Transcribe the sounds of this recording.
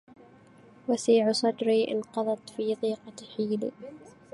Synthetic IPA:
wasiːʕʊsˤɑd̪ɾiːʔɪ̰nqɑðˤɑt̪fiːðˤiːqɑħiːlḭ

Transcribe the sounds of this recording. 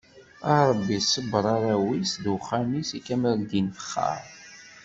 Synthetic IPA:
ɑɾˤəbːisəbɾˤɑɾawisðwχamisikæmɾld̪infə̥χːɑ̰ɾˤ

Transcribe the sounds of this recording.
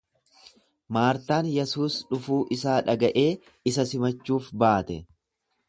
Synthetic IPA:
maːɾt̪aːnjɛsuːsᶑʊfuːʔɪsaːᶑɐɡɐʔe̞ː | ɪsɐsɪmɐt͡ʃːuːfbaːt̪ɛ

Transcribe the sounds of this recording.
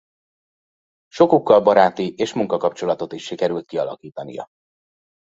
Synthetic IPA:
ʃo̞kukːɒlbɒɾaːt̪iʔeːʃmuŋkɒkɒp̚t͡ʃo̞lɒt̪o̞t̪iʃːikɛɾylt̪̚kiɒlɒ̰kiːt̪ɒnḭjɒ̰

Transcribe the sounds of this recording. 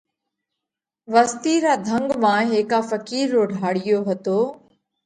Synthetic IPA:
ʋəst̪iːɾaːd̪ʱəŋɡmãːɦeːkaːfəkiːɾːoːɖʱaːɽɪjoːɦət̪oː

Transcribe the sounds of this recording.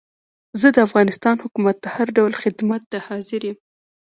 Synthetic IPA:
zəd̪əafɣɑnɪst̪ɑnhʊkumat̪̚ːəhaɾɖawlxɪd̪mat̪ːahɑzɪɾjem

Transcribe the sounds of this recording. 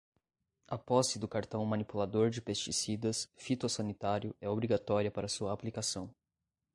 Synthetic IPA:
ɐpɔsɪd̪ʊkaɾt̪ɐ̃w̃mɐ̃nipulad̪oɾd͡ʒɪpest͡ʃisid̪ɐsfit̪osɐnit̪aɾjʊɛobɾiɡat̪ɔɾjiɐpaɾɐsuɐːplikasɐ̃w̃

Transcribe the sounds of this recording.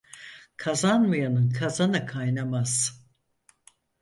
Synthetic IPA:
kʰazanmɯjanɯnkʰazanɯkʰajnamaz̥

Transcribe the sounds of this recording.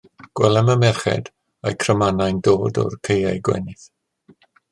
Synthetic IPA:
ɡ̥wɛlˠɛməmɛrχɛ̰d | ajkʰrəmanajndoːdɔ̰rkʰejajɡwɛ̰nɪθ

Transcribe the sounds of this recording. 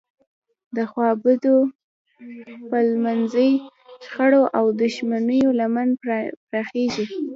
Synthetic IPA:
d̪əxwɑbəd̪o | pəlmanzəjʃxaɽoʔawd̪ʊʃmanəjolamanpɾɑxeʒi

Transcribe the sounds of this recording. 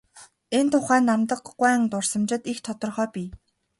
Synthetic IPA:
ent̪ʰʊχæːnːamt̪ə̆qːwæːŋt̪ʊr̥sə̆mt͡ɕɪ̆t̪ixt̪ʰɔt̪ɞ̆rχœːpʲiː

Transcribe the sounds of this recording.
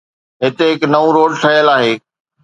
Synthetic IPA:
ɦɪt̪eɦɪknɐʋũɾoːɽʈʰɐjəlaːɦeː

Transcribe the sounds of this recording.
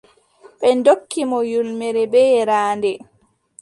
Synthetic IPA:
ɓɛndokʰːimɔjulmɛɾɛbɛɾaːndɛ

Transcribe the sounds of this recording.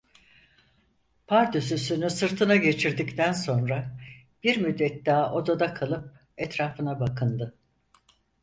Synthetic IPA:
pʰaɾd̪ysysynysɯɾt̪ʰɯnaɟe̞t͡ʃʰiɾd̪ict̪ʰænso̞nɾa | b̥iɾmyd̪ːɛt̪d̪aːʔo̞d̪ad̪akʰalˠɯp̚ | ɛt̪ɾaːfɯnabakʰɯnd̪ɯ

